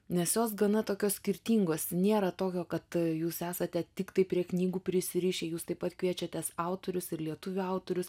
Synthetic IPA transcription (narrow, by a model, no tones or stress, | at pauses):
nʲɛsjoːs̬ɡɐnɐt̪oːkʲoːssʲkʲɪɾʲt̪ʲiːŋɡoːsnʲeːɾɐt̪oːkʲoːkɐt̪juːsæːsɐt̪ʲɛt̪ʲɪkt̪ɐɪpʲɾʲiɛknʲiːɡuːpʲɾʲɪsʲɪɾʲiːʃʲeːjuːst̪ɐɪpɐt̪kʋʲiɛt͡ʃʲɛt̪ʲɛːsɑˑʊt̪oːɾʲʊsɪrlʲiɛt̪ʊʋʲuɐʊt̪oːɾʲʊs